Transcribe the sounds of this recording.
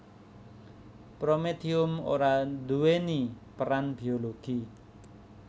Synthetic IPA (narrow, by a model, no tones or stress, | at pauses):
pɾomed̪iʊmo̰ɾad̪uwenipəɾanb̥ioloɡ̥i